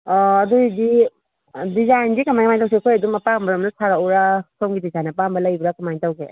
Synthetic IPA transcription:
ɔɐdudi | dizajnɡikɐmajkmajntaws̬ikʰojɐdumɐpambɐɾɐmnɐsaɾawɾasoŋɡidizajnɐpambɐlɐjbɾakɐmajntawɡe

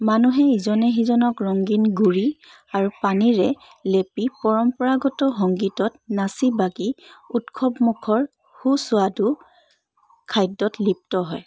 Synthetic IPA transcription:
manuɦɛizɔnɛɦizɔnɔkɹɔŋɡinɡuɹi | aɹupaniɹɛ | lepipɔɹɔmpɔɹaɡɔtɔɦɔŋɡitɔtnasibaɡiutkʰɔpmukʰɔɹ | husʊadu | kʰajdːɔtlip̚tɔɦɔj

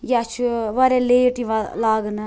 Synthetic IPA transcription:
jat͡ʃʰuʋɐɾeleːʈiʋalaːɡnɐ

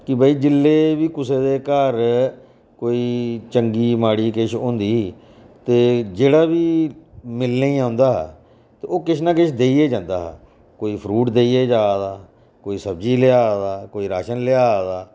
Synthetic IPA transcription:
kɪbəiːd͡ʒɪlːeːbiːkʊseːd̪eːkəɾ | koːiːt͡ʃəŋɡiːmaːɽiːkɪʃõːnd̪iː | t̪eːd͡ʒeːɽaːbiːmɪlnẽːiːãːʊ̃nd̪aːɦː | t̪eːoːkɪʃnãːkɪʃʰd̪eːiːeːd͡ʒãːnd̪a̰ːɦː | koːiːpʰɾuːʈd̪eːiːeːd͡ʒaːd̪aː | koːiːsəbd͡ʒiːlɪaːd̪aːkoːiːɾaːʃənlɪaːd̪aː

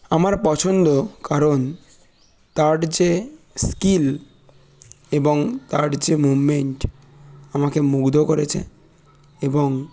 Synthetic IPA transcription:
amaɾpɔt͡ɕʰond̪okaɾon | t̪aʈd͡ʑe | skil | eboŋt̪aʈd͡ʑemubmeɳʈ | amakemuɡd̪ʱokoɾet͡ɕʰḛ | eboŋ

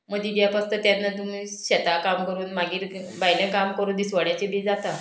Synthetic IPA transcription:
məɡd̪iɡjapast̪ət̪janːat̪umiː | ɕet̪akamkəɾuːnmaɡiːɾ | bajlə̃kamkəɾuːnd̪isʋəɽjat͡ɕebʱiːd͡zat̪a

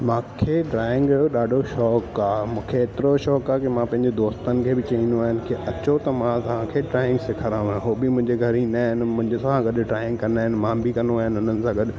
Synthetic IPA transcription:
mãːkʰeɖɾaːɪ̃ŋɡɐjoɗaːɖʱoʃɔːkaːmũːkʰeːt̪ɪɾoʃɔːkaːkimãpɐ̃ɦɪ̃ɲd͡ʑed̪oːst̪ənɪ̆kʰeːbɪt͡ɕɐĩnd̪oaːɦɪnɪ̆kiʔɐt͡ɕot̪ɐmãt̪ɐʋ̤ãkʰeʈɾaːɪ̃ŋɡsɪkʰɐɾãːũɪ̃ɦoːbɪmʊ̃ɦɪ̃ɲd͡ʑeɡʱɐɾinaːɦɪnɪ̆mʊ̃ɦɪ̃ɲd͡ʑesãɡɐɗʈɾaːɪ̃ŋɡ̚kɐnaːɦɪnɪ̆mãːbʱikɐnoaːɦɪnʊnənɪ̆sãɡɐɗ

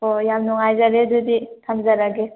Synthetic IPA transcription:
ɔjamnɔŋajzaɾeduditʰamzaɾaɡe

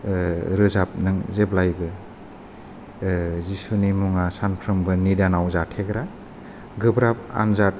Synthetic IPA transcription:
ɾɯzap̚nɯŋzeblajbɯ | zisunimuŋasanpʰɾɯmbɯnidanawzatʰeɡɾa | ɡɯbɾap̚a̰nzat̚

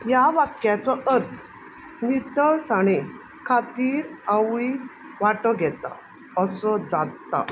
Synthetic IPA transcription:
jaʋakjat͡sɔʔəɾt̪ʰ | nit̪əsaɽ̃i | kʰat̪iːɾaʋi | ʋaʈɔɡʱɛt̪a̰ | əsɔd͡zat̪ːa̰

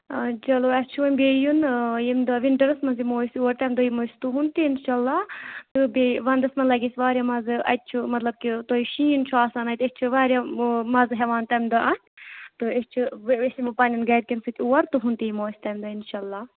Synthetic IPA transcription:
t͡ʃɐloːɐst͡ʃʰuʋɐmʲbeːjunjimd̪ɐʋiɳʈɐɾɐsmɐnzimoːsʲuʋɐɾt̪ɐmd̪ɐjimosʲt̪uɦunt̪iinʃaːlːaːt̪ɨbeʋɐnd̪ɐsmɐnlɐɡʲisʲʋaːɾʲjaːmɐzɨʔɐ̰t̪̚ʲt͡ʃʰumɐt̪lɐb̚kit̪oːjiʃiːnt͡ʃʰuaːsaːnɐt̪esʲt͡ʃʰuʋaːɾjamɐzɦɛʋaːnt̪ɐmd̪ɐʔɐn | t̪ɨest͡ʃʰuesimɨpɐnʲinɡɐːd̪̚kʲinsɨt̪ʰʲuwɐɾt̪uɦunt̪ijimoːsʲt̪ɐmd̪ɐinʃaːlːaː

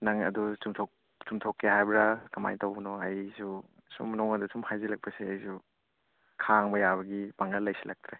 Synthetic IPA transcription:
nɐŋɐ̰dusumtʰok | sumtʰokːehajbɾakɐma̰jtowbnɔɐjsu | sṵmnɔŋɐdusumhajzilɐk̚pɐseɐjsu | kʰaŋbɐjaβɐɡipaŋlɐlːɐjsilɐk̚t̪ɾe

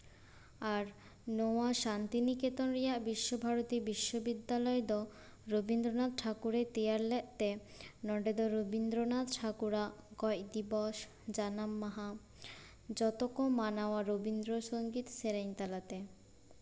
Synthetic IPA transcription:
aɾ | noaʃant̪iniket̪onɾijabiʃːobʱaɾot̪ibiʃːobid̪ːalɔed̪ɔ | ɾobind̪ɾonad̪̚ʈʰakuɾet̪eaɾlɛʔt̪e | nɔɖed̪oɾobind̪ɾonad̪ʈʰakuɾaɡɔjd̪ibɔʃ | d͡ʑanamːaɦa | d͡ʑɔt̪okomːanaoaɾobind̪ɾoʃoŋɡit̪seɾajnt̪alat̪e

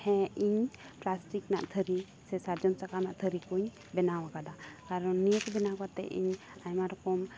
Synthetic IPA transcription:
hɛ̃iɲplasʈikna̰ʔt̪ʰəɾi | sɛsaɾd͡ʒɔmsakanaʔt̪ʰəɾikuɲ | bɛnawakad̪akaɾɔniək̪bɛnakat̪ɛ̰ḭɲ | ajmaɾɔkɔm

